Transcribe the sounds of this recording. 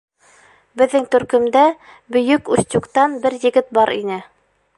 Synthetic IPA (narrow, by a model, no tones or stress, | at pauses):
bɘ̆ðːɘŋt̪ɵ̆ɾkɵ̆md̪æ | bɵ̆jɵkʉst̪ʲukt̪ɑnbɘɾjɘ̆ɡɘt̪̚bɑɾḭnɘ